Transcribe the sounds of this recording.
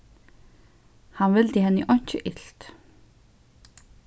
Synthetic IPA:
hɑnʋɪld̪iɦɛnːiʔɔn̥t͡ɕəʔɪɬt̪

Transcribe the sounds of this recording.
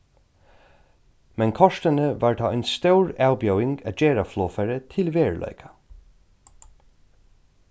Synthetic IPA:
mɛnkʰɔʃt̪ənəvaːɹt̪ʰɑːɔʏnst̪œwɹawbjœwɪŋɡa̰d͡ʒeːɹafloːfɛɹət̪ʰɪlʋeːɹlʔœ̰ʏkʰḁ

